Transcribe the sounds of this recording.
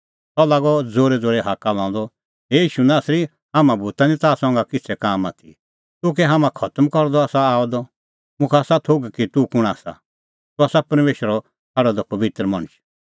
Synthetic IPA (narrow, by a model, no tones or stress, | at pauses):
t̪ɔlaːɡɔd͡zoːɾɛd͡zoːɾɛɦakalãːd̪ɔ | ɦeiːʃunaːsɾi | ɦamãbʱut̪anĩt̪aːsɔ̃ŋɡakɪt͡sʰɛkaːmaːt̪ʰḭ | t̪ʊk̬ɛɦamãkʰɐt̪mkɔɾd̪ɔaːsaaːɔd̪ɔ | mʊ̃kʰaːsat̪ʰoɡkit̪ukʊɽ̃aːsa̰ | t̪uaːsapɐɾmeːʃəɾɔ | kʰɐɽɔd̪ɔpɐʋɪt̪ɾəmɐɽ̃ʊʃ